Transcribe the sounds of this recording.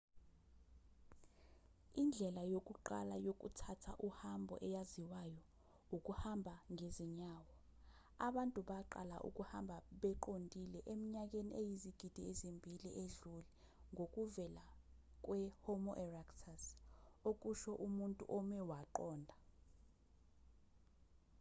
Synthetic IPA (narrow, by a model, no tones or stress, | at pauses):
ind͡ɮʱɛlajokʼuǃa̰lajok̬ʼṵtʰatʰaʔuhambʱɔ̰ʔɛjaziwajɔ | ukʼuhambʱaŋeziɲaːwɔ | aɓantʼuɓaǃa̰la̰ʔṵkʼuhambʱaɓɛǃondʱilɛʔemiɲak̬ʼeniejiziɡ̥ʱid̥ʱiezimbʱiliʔeɮuli | ŋʱok̬ʼuvɛla | k̬ʼwɛhɔmɔʔɛraktʰasok̬ʼuʃɔʔumuntʼṵʔɔmɛwaǃɔːndʱa